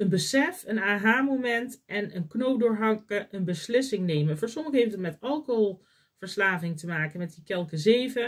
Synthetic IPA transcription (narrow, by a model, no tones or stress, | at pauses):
ənbəsɛfənaːɦaːmomɛntʔɛnənknowp̚dʊːɹɦɑŋkəʔənbəslɪsɪŋnejmənfoːɹsɔməəɦejftətmɛtɑlˠkoɦolˠ | v̥əɹslaːvɪŋtəmaːkənmɛt̚dikɛlˠkəzejvə